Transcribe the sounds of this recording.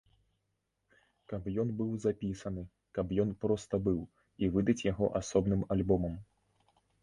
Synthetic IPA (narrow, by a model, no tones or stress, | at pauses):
kɐpjɔnbɨwzapʲisɐnɨ | kɐpjɔnpɾɔst̪ɐbɨw | ivɨd̪ɐt͡sʲjaɣɔ̰ʔasɔbnɨmalʲbɔmɐm